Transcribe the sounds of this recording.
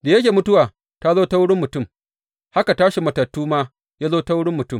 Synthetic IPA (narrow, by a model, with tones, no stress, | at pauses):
da˨jɐ˦kʲeː˨mʊ˦tʊ˦waː˨ | ta˦zoː˦ta˦wʊ˦ɽɪ˦mːʊ˨tʊ˦˨m | ha˦ka˨taː˦ʃi˨mɐ˨tɐ˨tːuː˦maː˦ | jaː˦zoː˦ta˦wʊ˦ɽɪ˦mːʊ˨tʊ˦m